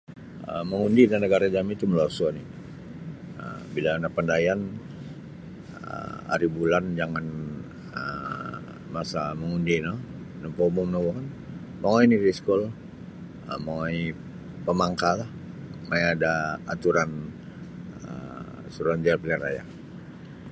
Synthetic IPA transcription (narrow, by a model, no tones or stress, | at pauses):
ə̰məŋundinanəɡaɾad͡ʒamit̪uməluarsuani | ə̰bilanapandajan | əha̰ɾibuland͡ʒaŋan | ə | masaməŋundinɔ | nɔpoumɔmnowɔn | maoiniɾiskɔl | ə̰maŋoi | pəmaŋkalah | majadaat̪uɾan | ə | suɾuand͡ʒarpiliaɾa̰ja̰